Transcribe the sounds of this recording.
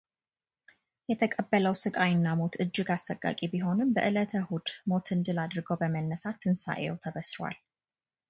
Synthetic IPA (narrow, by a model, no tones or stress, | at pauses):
jɛt̪ʰəkʼəbːələwsɨkʼajɨnːamo̞t̪ɨd͡ʒːɪɡasəkʼːa̰kʼibiɦo̞nɨmbə̰ʔɨlət̪ʰəhud̪mo̞t̪ʰɨnd̪ɨlad̪ɨɾɡəwbəmənːəsat̪ʰːɨnsa̰ʔḛwt̪ʰəβəsɾwa̰l